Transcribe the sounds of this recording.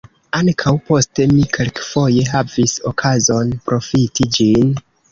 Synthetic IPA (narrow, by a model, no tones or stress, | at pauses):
aŋkʰawpo̞ste̞mikʰelkfo̞je̞ɦaviso̞kʰazo̞npɾo̞fitʰid͡ʒin